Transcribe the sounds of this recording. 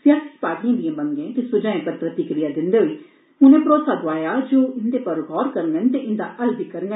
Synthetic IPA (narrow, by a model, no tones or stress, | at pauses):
sjaːsi̥paːɽiãːd̪ɪjãːbəŋɡẽːt̪eːsʊd͡ʒãːẽːpət̪ɾət̪iːkəɾɪjaːd̪ɪnd̪eːɦʊiː | ɦʊnẽːpɾoːsaːd̪aːjaːd͡ʒoːɪnd̪eːpəɾɦɔːɾkəɾnɡənt̪eːʔɪnd̪aːʔəld̪ikəɾnɡə